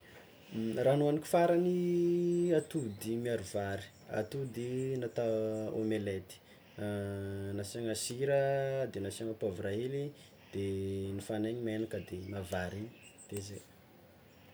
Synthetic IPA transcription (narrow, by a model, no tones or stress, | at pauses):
ranuanikʲi̥faɾani | at̪ud̪imiaɾuvaɾi̥ | a̰t̪ud̪inat̪aomelet̪i̥ | nasaŋasiɾəd̪enasiaŋapavuraɦeli | d̪̥enifaneɲimenakəd̪enavaɾiɲd̪̥eze